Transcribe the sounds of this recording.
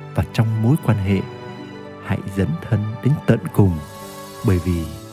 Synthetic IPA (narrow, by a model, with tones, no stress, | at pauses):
vaː˨˩t͡ɕɔ˧wŋ͡mmo˨˦jkwaː˧nɦḛ˧˨ | ha̰˧˨jzə˨˦nt̪ʰə˧nɗe˨˦nt̪ə̰˧˨nkʊ˨˩ŋ͡m | ɓəː˧˩jvi˨˩